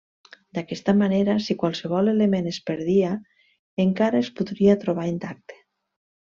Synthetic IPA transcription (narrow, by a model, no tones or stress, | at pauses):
d̪akɛst̪amaneɾasikwalˠseβ̞ɔlelemenespeɾðia | eŋkaɾaespuðɾiat̪ɾoβ̞aint̪ak̚t̪e̥